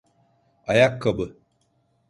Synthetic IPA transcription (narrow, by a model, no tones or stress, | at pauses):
ajakːəbə